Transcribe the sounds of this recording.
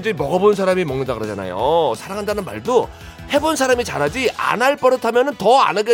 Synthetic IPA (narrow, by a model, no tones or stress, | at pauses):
d͡ʑemʌɡʌbonsʰaɾamimʌŋnɯndaɡɯɾʌd͡ʑana̰jo̰sʰaɾaŋɦandanɯnma̰ɭdo | he̞bonsʰaɾamit͡ɕaɾɦad͡ʑia̰naɭp͈ʌɾɯtʰamjʌnɯntʌa̰nɯɡe